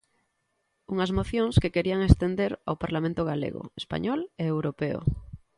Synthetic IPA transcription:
uŋazmoθjõŋskekeɾiaŋest̪end̪eɾa̰wpaɾlamẽnt̪oɣ̞alḛɣo̰espa̰ɲɔleewɾopeo̰

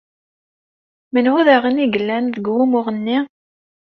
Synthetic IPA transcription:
mənwuðæʁəniɡəlːænðəɡwumʊʁənːi

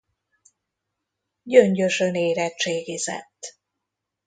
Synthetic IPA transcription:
ɟøɲɟøʃøneːɾɛt̪t͡ʃeːɡizɛ̰t̪ː

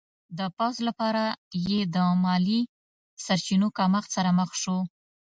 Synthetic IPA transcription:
d̪əpawzlapɑɾajed̪əmɑli | saɾt͡ʃinokɑmaxsaɾaməxʃo

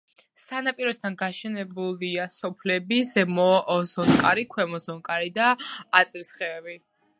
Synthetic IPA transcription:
sanapʼiɾɔst̪ʰanɡaʃɛnɛbuliasɔpʰlɛbisɛmɔzɔnkʼaɾikʰwɛmɔzɔnkʼaɾid̪aːt̪sʼɾisχɛːvi

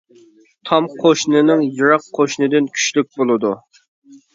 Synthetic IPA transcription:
t̪ʰɑmqʰoʃnɨnɨŋjɨɾɑqʰːoʃnɨd̪ɪnkʲʰy̥ʃlyk̚ʲbolˠɨd̪u

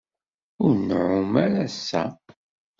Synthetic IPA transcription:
ʊɾnʕʊmæɾæsːæ̰

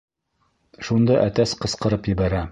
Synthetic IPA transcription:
ʃund̪ɑʔæt̪æsqɤ̆sqɤ̆ɾɤpjɘ̆bæɾæ

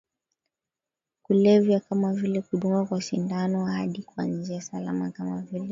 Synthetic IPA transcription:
kulɛvjakamavilɛkuɗuŋɡwakwaʃindanɔhaɗikuanziasala̰makamavilɛ

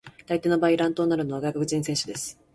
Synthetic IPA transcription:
t̪ait̪e̞nobaːiɾãnt̪oːnaɾɯ̟noβaɡakɯɡɯ̟t͡ɕĩɰ̃sẽɕɨd̪e̞sɨ̥

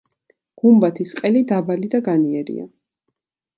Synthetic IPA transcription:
ɡ̥umbat̪ʰisqʼɛlid̪abalid̪aɡaniɛɾḭa̰

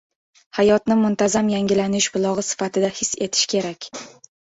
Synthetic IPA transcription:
hajɒt̪nɪmʊnt̪ʰazamjaŋɡʲɪlanɪʃbʊlˠɒʁɨsɪ̥fat̪ʰɪd̪ahɪsːe̞t̪ʰɪ̥ʃkʲʰe̞ɾakʲ

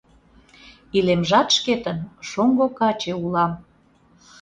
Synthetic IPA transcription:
ilemʒɑt̪ʃket̪ənʃoŋɡokɑt͡ɕeulɑm

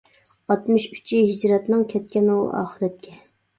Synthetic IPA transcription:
ɑt̪mɨʃy̥t͡ʃʰiɦid͡ʒɾɛt̪nɨŋkʲʰɛt̪kʲɛnɨw̰ɑ̰ːχɨɾɛt̪̚kʲʰɛ

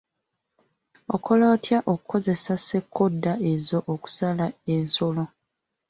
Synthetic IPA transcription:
o̰kʰo̞loːtjaʔokuko̞ze̞sase̞kʰːo̞dːae̞zo̞ʔːku̥salae̞nso̞lo

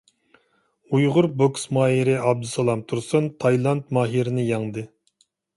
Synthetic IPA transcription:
ujʁʊɾboksmɑːɦiɾɪɑb̚d̪ɨsɑlˠɑmt̪ʰuɾsɨnt̪ʰɑjlˠɑnt̪̚mɑːɦiɾɪnɪjɑŋd̪ɨ

